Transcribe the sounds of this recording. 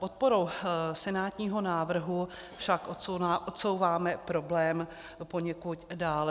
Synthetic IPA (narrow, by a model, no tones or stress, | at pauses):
pot̪̚po̞ɾowsɛnaːt̪ɲiːɦo̞naːvr̩ɦu | fʃakʔooaʔot̪sowvaːmɛpɾo̞blɛːm | po̞ɲɛkut̪daːlɛ